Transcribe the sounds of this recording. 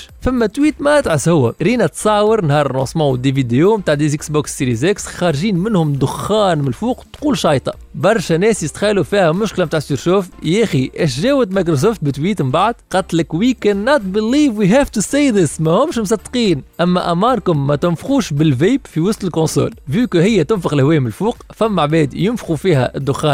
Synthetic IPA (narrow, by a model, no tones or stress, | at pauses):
fæmːæt̪wiːt̪mæʔæt̪ʕɪshʊwːæɾiːnæt̪sˤɑʕwəɾnhɑːɾˤnɑːsˤmɑ̃ːwəd̪ivid̪ejomt̪aːʕd̪iːzɪksboːksːiɾizɛksxɑɾˤʒiːnmɪnhʊmd̪ʊxːɑːnmɪlfuːqt̪quːlʃɑːjt̪ˤɑ̥ | bɑɾˤʃænɛːsjɪst̪xælufiːhæmʊʃklæmt̪aːʕsiɾʃoːft̪jæxiʔæʃʒæːwət̪majk̬ɾos̬oːft̪̚bɪt̪wiːt̪mbaʕd̪qɑt̪lɪkwikænːɑt̪̚ˤbɪlːiːvwiɦæːft̪ʊsejðɪsmæhʊmʃmʊs̬ˤɑd̪ːqiːnʔæmːæʔæmɑːɾkʊmːæt̪ʊnfxuːʃbɪlveːbfiwʊst̪ɪlkõnso̰ːlvyːkhɪjːæt̪ʊnfəɣɪlhwɛːjmɪlfuːqfæmːaʕbɛːd̪jʊnfxufiːhæ̰ʔɪd̪ːʊxːɑː